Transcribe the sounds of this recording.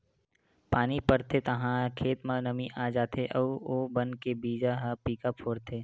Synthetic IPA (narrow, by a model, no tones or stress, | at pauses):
paːnipɐɾt̪ʰet̪ɐɦãkʰeːt̪mãnɐmĩʔaːd͡ʒaːt̪ʰeʔɐʋoːbɐnkebiːd͡ʒaɦapiːkəpɦoːɾt̪ʰeː